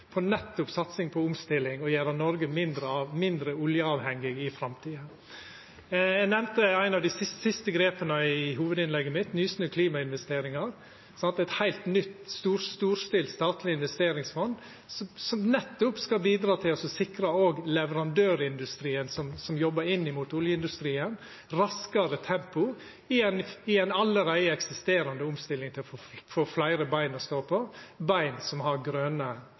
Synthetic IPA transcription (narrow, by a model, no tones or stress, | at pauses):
pʰɔnɛt̪ːʊpsɑt̪sɪŋpʰɔʊmst̪ɪlːɪŋɔjæːɾɑnɔɾɡəmɪnd̪ɾəɑʋmɪnd̪ɾəʊljəɑːʋhɛŋːɪɡɪfɾɑmt̪ʰiːə | æɡnɛmt̪əæɪnɑʋd̪ɪsɪssɪst̪əɡɾeːpənəɪɦuːʋəd̪ɪnlɛɡːəmɪt̪nyːsnʉːkʰliːmɑɪnʋɛst̪eːɾɪŋɑɾ | sɑnt̪ɛt̪hæɪlt̪nʏt̪st̪uːɾst̪uːɾst̪ɪlst̪ɑːt̪lɪɪnʋɛst̪eːɾɪŋsfɔn | ssɔmnɛt̪ːʊpskɑbiːd̪ɾɑːt̪ʰɪlɔsɔsɪkɾɑoːɡlɛʋəɾɑnd̪øːɾɪnd̪ʉst̪ɾiːənsɔmsɔmjɔbːəɾɪnːɪmuːt̪ʊljəɪnd̪ʉst̪ɾiːən | ɾɑskɑɾət̪ʰɛmpʊ | ɪɛnɪɛɪnɑlːəɾæɪəɛksɪst̪eːɾɑnd̪əʊmst̪ɪlːɪŋt̪ʰɪlɔffoːflæɪɾəbæɪnɔst̪oːpʰɔbæɪnsɔmhɑɾɡɾøːnə